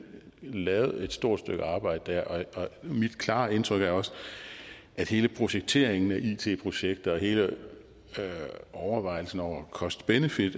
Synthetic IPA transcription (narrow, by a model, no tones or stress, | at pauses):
lɛːʊð̞̩ˠe̝d̥sd̥o̝ɐ̰d̥sd̥øɡ̥əɑ̈ːb̥ɑ̈ɪd̥əd̥æɐ̰ʔɒ̽ɒ̽mid̥kʰlɑ̈ːe̝nt͡sʰʁœɡ̥æɐɒ̽s | ʔæd̥he̝ːləpʰʁo̝ɕeɡ̥̚t͡sʰe̝ɐ̰eŋn̩æʔḭt͡sʰe̝̰ːpʰʁo̝ɕeɡ̥̚d̥ɐɒ̽he̝ːlə | ʔɒʊɐʋɑ̈ɪ̰l̩sn̩ɒʊ̰ɐkʰɒ̽sd̥b̥enəfid̥